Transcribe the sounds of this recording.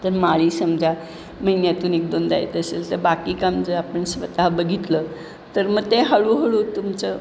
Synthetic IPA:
t̪əɾmaɭiːsəmd͡zʱa | məɦinjat̪uːnek̚d̪ond̪a̰jet̪əselt̪əɾbakiːkamd͡zəapəɳsʋət̪aɦbəɡʱit̪lə | t̪əɾməɡ̚t̪eɦəɭuɦəɭuːt̪umt͡sə

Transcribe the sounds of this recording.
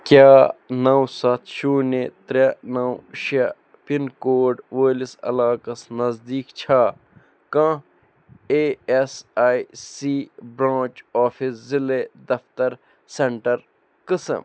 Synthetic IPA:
kʲjaːnɐwsɐt̪ʰʃuːnet̪ɾenɐwʃɐ | pinkoːɖʋeːlisɐ̰laːkɐsnɐzd̪iːkt͡ʃʰaː | kã | eesaːisiːbɾãːt͡ʃɔːfisziled̪ɐft̪ɐɾ | seɳʈɐɾ | kɨsɐ̰m

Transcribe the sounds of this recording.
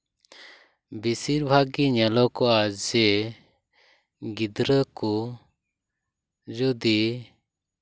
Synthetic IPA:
bisiɾbʱaɡiɲɛlɔkɔad͡ʒɛ | ɡid̪ɾəkɔ | d͡ʒɔd̪i

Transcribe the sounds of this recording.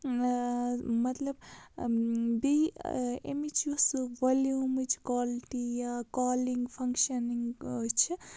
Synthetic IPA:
mɐt̪lɐb | bi | ḛmit͡ʃʰusʋɐljumɨt͡ʃʰkwaːliʈijakaːliŋɡpʰɐŋkʃɐniŋɡt͡ʃʰi

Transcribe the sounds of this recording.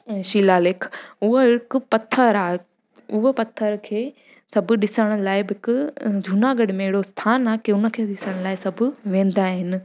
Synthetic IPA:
ʃiːlaːlekʰʊɦoɪkpɐt̪ʰːəɾaː | ʊɦəpɐt̪ʰːəɾkʰeː | sɐbʱʊ̆ɗɪsəɽ̃̆laːɪbɦɪkʊd͡ʑʱunaːɡɐɽmẽɪɪɽost̪ʰaːnaːkeʊnəkʰeːɗɪsəɽ̃laːɪsɐbʱʊʋẽːn̆d̪aɦɪnɪ

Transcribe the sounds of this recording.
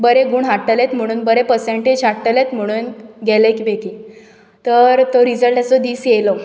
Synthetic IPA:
bəɾeɡuːɳɦaʈːəlet̪m̤əɽ̃uːnbəɾepəɾseɳʈed͡ʑɦaʈːəlet̪m̤əɽ̃uːnɡɛlekibeki | t̪əɾt̪əɾid͡zəlʈasɔd̪iːsjelɔ

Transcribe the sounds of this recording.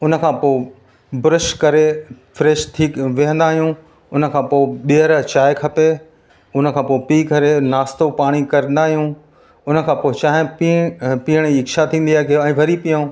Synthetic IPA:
ʊnə̆kʰãːpoːɪ | bʊɾɪʃkɐɾefɾeːʃt̪ʰiːkʋɪɦə̃nd̪aːɦijũ | ʊnə̆kʰãːpoːɓiɦəɾt͡ɕaːɪkʰɐpe | ʊnə̆kʰãːpoːɪpiːɡʱɐɾenaːst̪opaːɽ̃ikɐɾə̃nd̪aːɦijũː | ʊnə̆kʰãːpoːɪt͡ɕaːɦɪ̃ | piəɽ̃iɪkʃat̪ʰĩːn̆d̪iaːɦɪkeɛ̃ːbʱɐɾipijã

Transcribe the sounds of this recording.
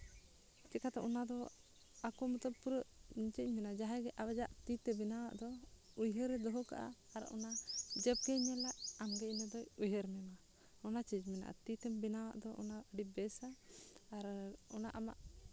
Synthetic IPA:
t͡ʃɛkat̪ɛʔɔnad̪ɔ | akɔmut̪əb̚puɾəʔiɲt͡ʃəc̚mɛnad͡ʒaɦaɡɛʔabad͡ʒaʔt̪it̪ɛbɛnawaʔd̪ɔ | ujɦəɾɛd̪ɔɦɔka̰ʔa̰ːɾɔ̰nad͡ʒɛb̚kɛɲɛlaʔamɡɛcnəd̪ɔujɦəɾmɛma | ɔnat͡ʃid͡ʒmɛna̰ʔa̰t̪it̪ɛmbɛnawa̰ʔd̪ɔʔɔ̰naəɖibɛsaː | ɾɔnaʔamaʔ

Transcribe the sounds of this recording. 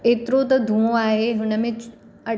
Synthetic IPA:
eːt̪ɪɾot̪̬ɐd̪ʱũːõaːɦeɦʊnəmɪ̃t͡ʃ | ɐ

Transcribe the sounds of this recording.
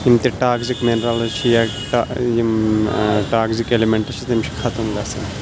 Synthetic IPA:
imt̪iʈaːɡzikmenɾɐlɐt͡ʃʰijaʈaji | ʈaːɡzikelimeɳʈɐt͡ʃʰit̪imt͡ʃʰi̥kʰɐt̪umɡɐsɐn

